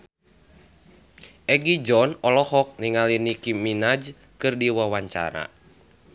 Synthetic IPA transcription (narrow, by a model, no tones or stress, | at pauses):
ʔɛɡid͡ʒɔnɔlɔhɔk̚niŋalinikiminad͡ʒ | kɨrdiwawaɲt͡ʃa̰ɾa̰